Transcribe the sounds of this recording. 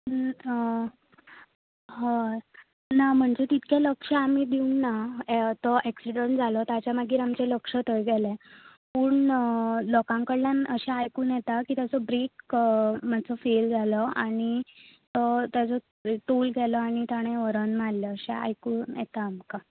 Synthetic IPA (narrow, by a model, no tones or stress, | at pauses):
ɦ | nam̤əɳd͡zet̪it̪kʰjaləkʂəamid̪iunːat̪ɔʔeksiɖəɳʈd͡zʱalɔt̪at͡ɕjamaɡiːɾamt͡ɕeləkʂət̪əjɡɛlɛ̃ | puːɳlɔkãŋkəɽlanəɕaajkuːnjɛt̪akiːt̪jat͡sɔbɾek | mat͡sɔfeld͡zʱalɔaɽ̃it̪ɔt̪jat͡sɔ | ʈ̪ulɡɛlɔaɽ̃it̪aɽ̃ẽʋəɾənmalləːɕa̰a̰jkuːnjɛ̰t̪aːmka